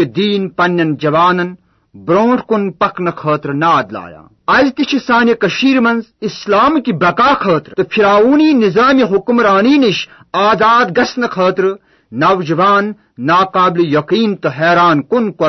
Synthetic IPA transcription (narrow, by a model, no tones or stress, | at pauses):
id̪iːnpɐnːɐnd͡ʒɐʋaːnɐn | bɾoːʈʰkunpɐknɐkʰɐːt̪ɾɨnaːd̪la̰ːja̰ː | ɐzt̪it͡ʃʰisaːnjɐkɐʃiːɾmɐnzislaːmkibɐkaːkʰɐːt̪ɾɨt̪ɨfʰiɾaːuːniːnizaːmiɦukmɾaːniːniʃ | aːzaːd̪ɡɐsnɐkʰɐːt̪ɾɨ | nɐʋd͡ʒɐʋaːnː | aːkaːblijɐqiːnt̪ɨɦeːɾaːnkunko